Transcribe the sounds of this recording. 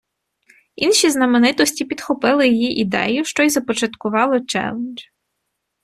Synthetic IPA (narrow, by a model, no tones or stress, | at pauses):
inʃʲiznɐmenɪt̪ɔsʲtʲipʲid̪xɔpɪlˠɪjijiʔid̪ɛ̰jʊʃt͡ʃɔjzɐpɔt͡ʃɐt̪kʊʋɑlˠɔt͡ʃɛ̰lˠend͡ʒ